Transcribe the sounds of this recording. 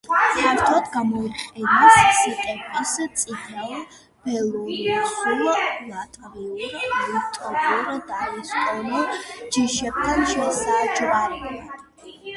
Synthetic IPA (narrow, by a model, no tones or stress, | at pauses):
aɾt̪ʰwat̪ɡamɔiqʼɛnassit̪ʼɛbʼist̪sʼiχɛ | b̥ɛlˠunisullat̪ʼviuɾait̪ʼɔbuɾd̪avisqʼɔnad͡ʒiʃɛb̚t̪ʰanʃɛsad͡ʒɾaɾɛa